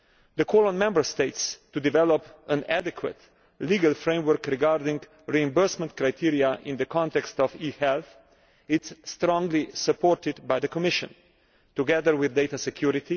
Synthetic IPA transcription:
d̪əkʰɔːlɔ̃nmɛ̃mbəɹst̪eɪtst̪ud̪ɪvɛlɔpə̃nædɛkʰwə̰t̪ | liːɡalfɾẽɪ̃mwəɾkɾɪɡaɾd̪ɪ̃ŋɡ | ɹiɪ̃mbəɹsmɛ̃nt̪kɾaɪt̪ʰiɾiaʔɪ̃nd̪əkʰɔ̃nt̪ɛkst̪ɔviːhɛlθ | ɪsːt̪ɾɔ̃ŋɡlisəpʰɔɾt̪ɪd̪bajd̪əkɔmɪʃə̰̃n | t̪uɡɛðəɾwɪðdeɪt̪asɛkʰjuɾɪt̪i

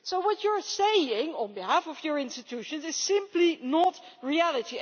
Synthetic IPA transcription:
soʊwɔt͡ʃə˞seɪɪ̃ŋə̃nbihæfɔvjə˞ɪ̃nstɨtʰuʃə̃nzɪz̥sɪ̃mplinɔtɹiælˠəti

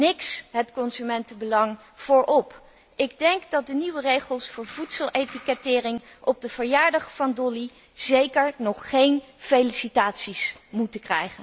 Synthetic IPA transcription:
nɪksɦətkɔnzymɛntəbəlɑŋ | v̥ʊːɹʔɔp | ʔɪɡdɛŋkdɑt̚dəniʋərejχəlˠsfʊːɹvutsəlˠʔejtikɛtɪːrɪŋʔɔb̚dəv̥əɹjaːɹdɑχfɑndɔli | z̥ejkəɹnɔχχejnfejlisitaːtsismutəkrɛ̰jχən

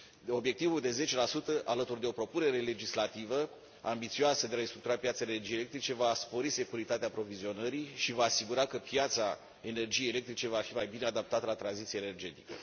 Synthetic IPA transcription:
o̞bje̞k̚t̪ivuld̪e̞ze̞t͡ʃe̞lasut̪əʔalət̪urd̪e̞o̞pɾo̞pune̞ɾe̞le̞d͡ʒislat̪ivə | ambit̪sioasəd̪eaɾenst̪ɾuk̚t̪uɾapjat̪saenerd͡ʒijele̞k̚t̪ɾit͡ʃe̞vaspo̞ɾise̞kuɾit̪at̪eaːpɾo̞vizio̞nəɾiʃivaːsiɡuɾakəpjat̪sa | e̞ne̞rd͡ʒijejelekt̪ɾit͡ʃe̞vafimajbine̞ad̪ap̚t̪at̪əlat̪ɾanzit̪sijene̞rd͡ʒe̞t̪i̥kə̰

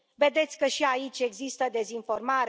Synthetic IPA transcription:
ve̞d̪e̞t̪sʲkəʃiait͡ʃʲe̞ɡzist̪əd̪e̞zinfo̞rmaɾ

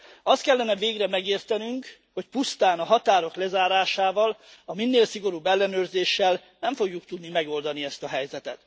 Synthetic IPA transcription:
ɒst̪̚kɛlːɛnɛveːɡrɛmɛɡeːrt̪ɛnyŋk | ho̞cpust̪aːnɒɦɒt̪aːɾo̞klɛzaːɾaːʃaːvɒlɒminːeːlsiɡo̞ɾubːɛlːɛnøːrzeːʃːɛlnɛɱfo̞ɡjukt̪ud̪nimɛɡo̞ld̪ɒniɛst̪ɒɦɛjzɛt̪ɛt̪

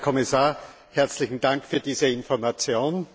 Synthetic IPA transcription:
kʰɔmɪsaːɐ | hɛɐt͡slɪçn̩d̥aŋkfyːɐdiːzəɪnfɔɐmat͡sjoːn

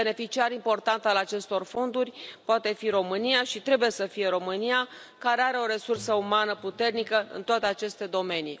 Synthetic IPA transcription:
bene̞fit͡ʃiaɾimpo̞rt̪ant̪alat͡ʃe̞st̪o̞rfo̞nd̪urʲpoat̪e̞fiɾo̞mɨnijaʃit̪ɾe̞buje̞səfije̞ɾo̞mɨnija | kaɾe̞aɾe̞o̞ɾe̞sursəumanəput̪e̞rnikəɨ̰nt̪oat̪e̞at͡ʃe̞st̪e̞d̪o̞me̞nḭ

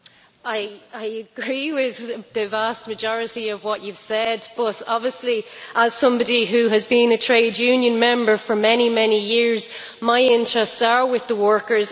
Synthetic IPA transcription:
aɪaɪəɡ̥ɹiwɪððɨvastməd͡ʒɔɹɪɾiəvwɒt͡ʃʉv̥sɛdb̥ʌɾɔbviəsliʔəz̥sʌ̃mbɑɾiɦʉəzbĩnətʰɹ̥eɪd͡ʒjʉ̃njə̃nmɛ̃mbə˞fə˞mɛnimɛnijɪɹz | maɪɪ̃ntɹ̥ɛstsə˞wɪðəwɜ˞kə˞z

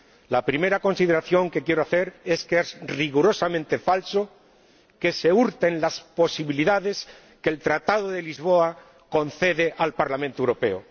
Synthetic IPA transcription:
lapɾime̞ɾako̞nsiðe̞ɾaθjo̞ŋke̞kje̞ɾoaθe̞ɾe̞skeezriɣuɾo̞samẽnt̪e̞falso̞ | ke̞se̞uɾt̪e̞nlaspo̞siβiliðaðe̞s | ke̞lt̪ɾat̪aðoðe̞lizβo̞a | ko̞nθe̞ðe̞ʔalpaɾlamẽnt̪oewɾo̞pe̞o

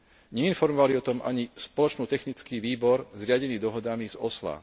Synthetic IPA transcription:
ɲɛinfɔɾmɔʋaliɔt̪ɔmʔa̰ɲispɔlɔt͡ʃnuːt̪ɛxnit͡skiːʋiːbɔɾzɾɪaɟɛniːd̪ɔɦɔd̪amizɔsla̰

